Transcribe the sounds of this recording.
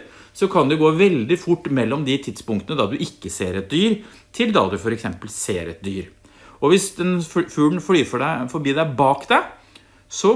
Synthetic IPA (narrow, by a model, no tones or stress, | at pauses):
sɔkʰɑnd̪ɛɡoːʋɛld̪ɪfʊʈːmɛlːɔmd̪ɪt̪ʰɪd̪spʊŋkt̪ənəd̪ɑd̪ʉʔɪkːəseːɾɛt̪̚d̪yːɾ | t̪ʰɪld̪ɑ̰ːd̪ʉfɔɾɛksɛmpəlseːɾɛt̪̚d̪yːɾ | ɔʋɪsd̪ɛnfʉːlnflyːfɔɖæfɔɾbiːd̪æɪbɑːkd̪æɪ | sɔ